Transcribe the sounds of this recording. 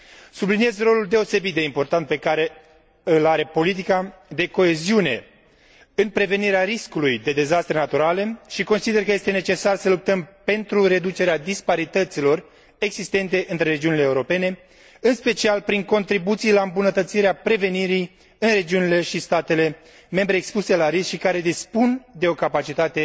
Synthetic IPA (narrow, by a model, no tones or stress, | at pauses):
sublinije̞zro̞luld̪e̞o̞se̞bit̪̚d̪e̞impo̞rt̪ant̪̚pe̞kaɾe̞ | ɨlaɾe̞po̞lit̪̬ikad̪e̞ko̞e̞ziune̞̰ | ɨnpɾe̞ve̞niɾeaɾiskulujd̪e̞d̪e̞zast̪ɾe̞nat̪uɾale̞ʃiko̞nsid̪e̞rkəje̞st̪ene̞t͡ʃe̞sarsəlup̚t̪əmpe̞nt̪ɾuɾe̞d̪ut͡ʃe̞ɾead̪ispaɾit̪ət̪silo̞r | e̞ɡzist̪e̞nt̪̬e̞ʔɨnt̪ɾe̞ɾe̞d͡ʒiunileːuɾo̞pe̞ne̞ | ɨnspe̞t͡ʃialpɾiŋko̞nt̪ɾibut̪sijlaɨmbunət̪ət̪siɾeapɾe̞ve̞niɾij | ɨnre̞d͡ʒiunile̞ʃist̪at̪e̞le̞ | me̞mbɾe̞ːkspuse̞laɾiskʃikaɾe̞d̪ispund̪e̞o̞kapat͡ʃit̪at̪e̞